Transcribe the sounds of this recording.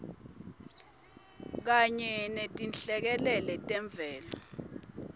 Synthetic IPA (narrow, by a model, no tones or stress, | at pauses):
k̬aɲɛnetʼinɬɛk̬ɛlɛlɛtʼɛɱb̪vʱɛːlɔ